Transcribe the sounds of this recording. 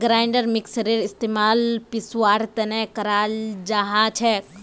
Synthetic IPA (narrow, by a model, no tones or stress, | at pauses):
ɡɾaːjɳɖəɾmiksəɾiɾist̪eːmaːlpiswaːɾt̪ɐnekɐɾald͡ʒaɦat͡ʃʰek